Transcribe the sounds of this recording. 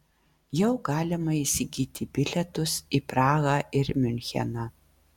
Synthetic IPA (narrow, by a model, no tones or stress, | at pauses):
jɛʊɡɑːlʲɪmɐiːsʲɪɡʲiːt̪ʲɪbʲɪlʲɛt̪ʊsiːpɾɑːɣɑːʔɪɾmʲʏnʲxʲɛ̰nɑː